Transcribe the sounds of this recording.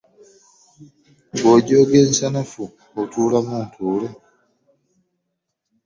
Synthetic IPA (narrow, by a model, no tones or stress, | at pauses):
ɡoɟoːɡeːnsanafu | okutuːlamuntʰuːle